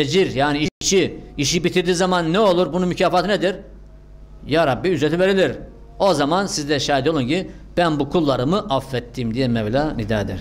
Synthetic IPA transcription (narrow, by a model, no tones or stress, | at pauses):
ed͡ʒiɾjaːniiit͡ʃiiʃibit̪ʰiɾd̪iːzamanːɛo̞lˠuɾbununmycʰaːfat̪ɯned̪iɾ | jaːɾabːiyzɾet̪ive̞ɾilʲiɾ | o̞zamansizd̪ɛʃaːjid̪jolˠunci | b̥ænbukʰulˠːaɾɯmɯʔafːɛt̪ʰːimd̪ijɛmɛvlʲanid̪ɛːd̪ḭɾ̥